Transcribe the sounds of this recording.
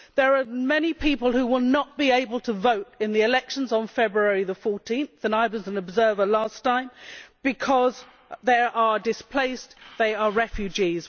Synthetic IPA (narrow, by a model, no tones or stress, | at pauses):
ðə˞əmɛnipʰipəlˠhʉwɪlˠnət̚b̥ieɪbəlˠtʰəvoʊɾɨ̃nðiɨlɛkʃə̃n̩zn̩fɛbɹuɛɹiðəfɔɹtʰĩnθə̃naɪbəzə̃nəbzɜ˞və˞læstʰãɪ̃mb̥ɨkʰɒz | ðəʔədɨspʰl̥eɪsðeɪəɹɛfjʉd͡ʒiz̥